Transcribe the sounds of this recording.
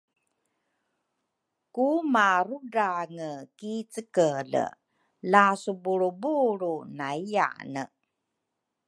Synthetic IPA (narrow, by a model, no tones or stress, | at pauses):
kumaɾudaŋəkit͡səkələ̰ | lasubuɾubuɾunaija̰nə